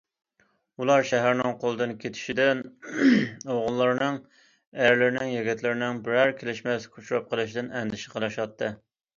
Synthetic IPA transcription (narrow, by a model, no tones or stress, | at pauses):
ulˠɑɾʃɛɦæɾnɪŋqʰolˠɨd̪ɨnkʲʰet̪ʰɪ̥ʃid̪ɪn | oʁʊlˠːɨɾnɨŋ | æɾlɪɾɪnɪŋjeɡʲɛt̪ʰlɪɾɪnɪŋbɪɾæɾkʲʰelɪʃmɛskʲʰut͡ʃuɾɑp̚qʰəlˠɨʃid̪ɪnɛnd̪ɪʃɪ̥qʰəlˠɨʃɑt̪ʰːɨ